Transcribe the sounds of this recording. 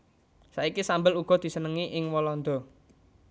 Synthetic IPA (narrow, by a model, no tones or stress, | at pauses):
saikisambəluɡ̥ɔ̤d̪̥i̤sənəŋiʔɪŋwɔlɔnd̪ɔ̤